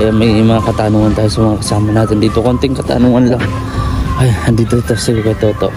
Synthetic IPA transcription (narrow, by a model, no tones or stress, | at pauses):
ɐjamɐjmɐŋakɐt̪anuŋɐnt̪aːjosɐmɐŋakɐsaːmɐnaːt̪ɪnd̪iːt̪okont̪ɪŋkɐt̪a̰nuːŋɐnlaŋ | ʔajnd̪iːt̪ot̪osɪɡukot̪oːt̪oʔ